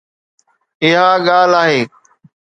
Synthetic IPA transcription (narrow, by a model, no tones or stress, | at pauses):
ɪɦaːɠaːlaːɦeː